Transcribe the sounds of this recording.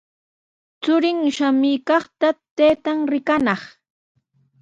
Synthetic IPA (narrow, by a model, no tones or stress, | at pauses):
t͡sʊɾɪŋʃamijkɑχt̪at̪ejt̪aŋɾɪkanɑχ